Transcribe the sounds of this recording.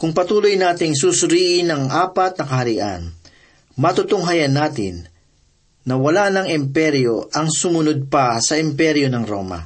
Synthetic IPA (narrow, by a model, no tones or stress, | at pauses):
kʊŋpɐt̪uːlojnaːt̪ɪŋs̬usʊɾiːʔɪnɐŋʔaːpɐt̪̚nɐkɐhɐɾiʔɐ̰n | mɐt̪ʊt̪ʊŋɦɐjɐnaːt̪ɪ̰nː | ɐwɐlanɐŋɪmpɛɾjoʔɐŋsʊmʊnod̪̚pɐsɐʔɪmpɛɾjonɐŋɾo̞̰ːmɐ̰